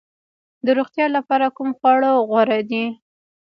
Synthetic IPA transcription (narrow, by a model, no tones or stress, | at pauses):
d̪əɾoɣt̪jɑlapɑɾakumxwɑɽoɣwaɾad̪i